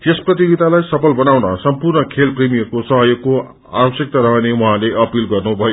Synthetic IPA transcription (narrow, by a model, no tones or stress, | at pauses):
t̪esprʌt̪iɡit̪alajsʌpʰʌlbʌnawnʌsʌmpurnʌkʰelprimijʌrkosʌɦʌjokːo | a̰bʌsjʌk̚t̪aɾʌɦʌnewuɦãleʔʌpilɡʌrnubʱʌjo